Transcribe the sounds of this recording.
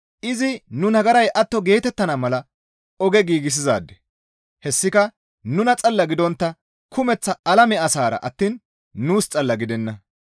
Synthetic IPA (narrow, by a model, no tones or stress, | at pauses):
ʔɪzɪnʊnɐɡɐɾɐjʔɐt̪ːɔɡe̞ːt̪ɛt̪ːɐnamɐlɐ | ɔɡɛɡiːɡɪs̬ɪzaːd̪ːɛ̥ | hɛsːɪkɐ | nʊnɐt͡sʼɐlːɐɡɪd̪ɔnt̪ːɐ | kʰʊmɛt͡sːɐɐlɐmɛɐsaːɾɐ̰ʔɐt̪ːiːnː | uːst͡sʼɐlːɐɡɪd̪ɛnːɐ